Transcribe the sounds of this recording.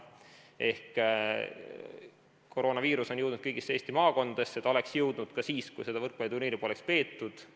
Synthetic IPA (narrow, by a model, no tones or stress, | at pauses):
ʔe̞hk | ko̞ɾo̞ːnɑviːɾuso̞njɤwd̪nud̪kɤjɡ̥ise̞ːst̪imɑːko̞nd̪ɑd̪̥eset̪ːˑo̞le̞ksjɤwd̪nud̪̥kɑsiːskujse̞d̪̥ɑvɤrklɑjt̪uniːɾipo̞lekspe̞ːt̪ːud̪̥